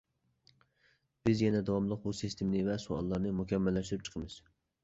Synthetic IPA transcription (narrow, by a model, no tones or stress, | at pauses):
b̥ɪzjɛnɛd̪ɑwɑmlˠəq̚busist̪ʰɪmnɪvɛsuɑ̰lˠːɑɾnɨmukʲʰɛmːɛlːɛʃt̪ɪɾɪp̚t͡ʃʰəqʰəmɨz̥